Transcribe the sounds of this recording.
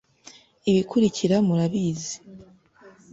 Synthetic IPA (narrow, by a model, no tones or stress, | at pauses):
iβikʰuɾiciɾamuɾaβiːzi̥